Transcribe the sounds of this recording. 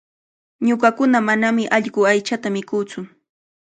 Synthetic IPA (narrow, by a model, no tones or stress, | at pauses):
ɲoɢɑkʊnamanamɪʔɑʎɢʊajt͡ʃat̪amɪkʊːt͡sʊ